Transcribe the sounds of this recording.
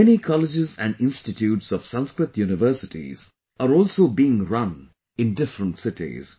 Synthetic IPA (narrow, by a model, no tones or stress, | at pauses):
ɛnikʰɔlɪd͡ʒɪzæ̰̃ɳɖɪ̃nsʈɪʈʰjuːʈsɔʋ̥sʌ̃nskɾɨt̪juːnɪʋəɾsɪʈḭz | aɾɔːlsoːbiɪ̃ŋɾʌ̃n | ɪ̃nɖɪfɾə̃nʈsɪʈḭz̥